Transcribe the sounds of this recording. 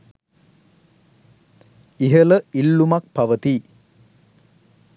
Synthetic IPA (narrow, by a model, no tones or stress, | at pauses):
iɦələilːumak̚pɐʋət̪i